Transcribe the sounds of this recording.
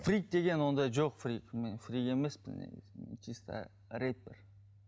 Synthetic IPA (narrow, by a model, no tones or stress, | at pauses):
frʲik̚d̪e̞ɡʲe̞nwo̞nd̪ɑjʒoqfrikmenfrie̞mesbɪ̰nḛɡɪ̰zmḛnt͡ʃʰist̪ə̰ | ɾejt̪̚bɪ̰ɾ